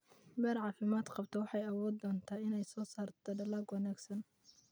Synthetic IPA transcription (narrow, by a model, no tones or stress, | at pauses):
bɛːɾʕɑːfɪmaːd̪qɑbt̪ʰɔwɑħɑjɐwɔːd̪ːɔːnt̪ʰaːɪnɛjsɔːsaːrt̪ʰɔɖɐlaːɡwɑnaːɡsɐn